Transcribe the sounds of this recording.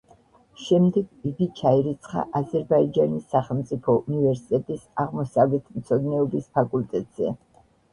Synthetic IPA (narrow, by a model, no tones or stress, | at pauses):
ʃɛmd̪ɛɡiɡit͡ʃʰaiɾit̪sʰχa̰ʔazɛɾbaid͡ʒanisːaχɛlˠmt̪sʼipʰɔunivɛɾsi̥t̪ʼɛt̪ʼisaʁmɔsavlɛt̪ʰmt̪sʰɔd̪nɛɔbispʰakʼult̪ʼɛt̪ʼz̥ɛ̰